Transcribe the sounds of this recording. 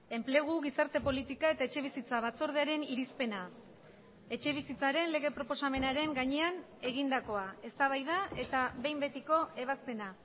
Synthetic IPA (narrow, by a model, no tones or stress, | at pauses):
e̞mple̞ɣ̞uɣ̞isaɾt̪e̞po̞lit̪ikae̞t̪ae̞t͡ʃe̞β̞isit͡saβ̞at͡so̞ɾð̞eaɾe̞niɾispe̞na | e̞t͡ʃe̞β̞isit͡saɾe̞nle̞ɣe̞pɾo̞po̞same̞naɾe̞ŋɡaɲe̞an | e̞ɣ̞ind̪ako̞ae̞st̪aβ̞ajðae̞t̪aβe̞jmbe̞t̪iko̞e̞β̞aspe̞na